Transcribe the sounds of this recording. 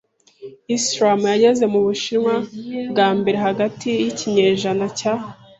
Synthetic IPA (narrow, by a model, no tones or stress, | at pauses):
isɾamjaɟe̞ze̞muβuʃiɾŋwabɡaːmbe̞ɾeɦaɡatijiciɲe̞ːʒanaca